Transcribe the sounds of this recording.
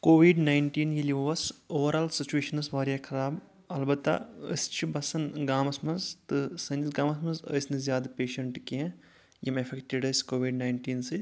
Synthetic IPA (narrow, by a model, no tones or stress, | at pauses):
koːʋiːɖnaːjɳʈiːnjiliʋɐsoːʋɐɾaːlsit͡ʃueːʃɐnɐsʋaːɾjakʰɐɾaːb | ɐlbɐt̪ːa̰ə̰st͡ʃʰibɐsɐnɡaːmɐsmɐnzt̪ɨsɐnsɡaːmɐsmɐzə̰jsnizjaːd̪ɐpeːʃɐɳʈkiẽ | jɐmefʰekʈiɖɐsʲkoːʋiːɖnaːjɳʈiːnsɨ